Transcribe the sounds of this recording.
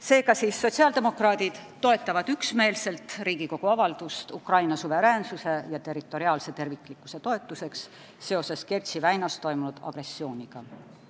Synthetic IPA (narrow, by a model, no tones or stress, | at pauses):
se̞ːkɑsiːsːo̞t̪ʲsiɑːld̪e̞mo̞krɑːd̪̥id̪̥t̪o̞e̞t̪ːˑɑvɑd̪̥yksme̞ːlse̞lt̪riːɡiko̞ɡ̥uɑvɑld̪̥ust̪ukrɑjnɑsuve̞ɾeːnsuse̞jɑt̪e̞rit̪ːˑo̞ɾiɑːlse̞t̪e̞rvikˑlikːˑu̥se̞t̪o̞e̞t̪ːˑuse̞ksː | e̞o̞se̞skert̪sivæjnɑst̪o̞jmunud̪̥ɑ̰ɡ̥re̞sːio̞ːnʲiɡ̥ɑ